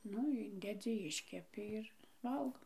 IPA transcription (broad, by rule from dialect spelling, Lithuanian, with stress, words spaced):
ˈnʊ ˈɪnʲdʲɛd͡zʲɪ ˈɪʃʲkʲɛpʲɪ ɪr ˈʋɐlˠɡoː